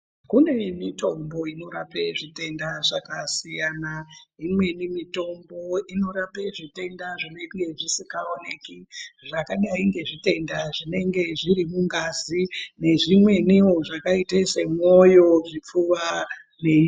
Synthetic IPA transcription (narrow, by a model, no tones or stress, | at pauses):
kune̞mito̞mbo̞ino̞ɾapeʐite̞ndaʐakasijanaimwe̞nimito̞mbo̞ino̞ɾapeʐite̞ndaʐine̞ŋɡe̞ʐisikaone̞kiʐakaɗaiŋɡe̞ʐite̞ndaʐine̞ŋɡe̞ʐiɾimuŋɡazine̞ʐimwe̞nioʐakaitese̞mo̞jo̞ʐip͡fuwa | nei